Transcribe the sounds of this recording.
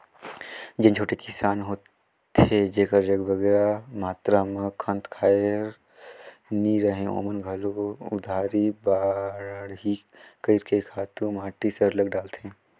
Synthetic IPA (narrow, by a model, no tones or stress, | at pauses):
d͡ʒɐ̃nt͡ʃʰoːʈekɪsaːnɦoːt̪ | ed͡ʒeːkəɾd͡ʒɐɡbʱɐɡɛːɾamaːt̪ɾaməkʰə̃nt̪kʰaːɾ | niɾɐɦẽo̰ːmənɡʱɐloʊ̰d̪ʱaːɾibaːɽɦi | kəɪɾkekʰaːt̪ũmaːʈisəɾlɐɡɖaːlt̪ẽː